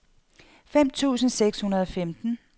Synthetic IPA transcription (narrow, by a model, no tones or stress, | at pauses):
fem̰t͡sʰṵːsn̩seɡ̥shunɐð̞ˠɒ̽femd̥n̩